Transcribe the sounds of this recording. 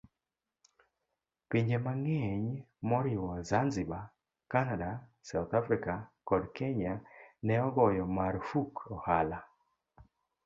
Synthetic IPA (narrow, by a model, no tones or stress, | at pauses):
piɲd͡ʒemaŋɛɲ | mɔɾɪwɔzanziba | kanadasawt̪afɾikakɔdkɛɲanɛɔɡɔjɔmaɾfukɔhala